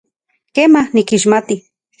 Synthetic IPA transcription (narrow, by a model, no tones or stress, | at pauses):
kemahnikiʃmat̪i